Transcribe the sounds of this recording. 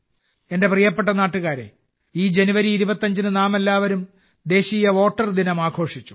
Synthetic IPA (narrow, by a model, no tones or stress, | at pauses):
e̞nde̞prijɐpːeʈ̬ːɐnaːʈːuɣaːɾe̞̰ | iːd͡ʑe̞nuʋɐɾiːɾubɐt̪ːɐɲd͡ʑinɨnaːme̞lːaːʋɐɾum | d̪e̞ːɕiːjɐʋo̞ːʈːɐrd̪inɐmaːɡʰo̞ːʂit͡ɕːu̥